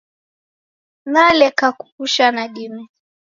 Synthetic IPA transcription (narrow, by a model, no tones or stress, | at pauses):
nalɛkakukuʃanaɗini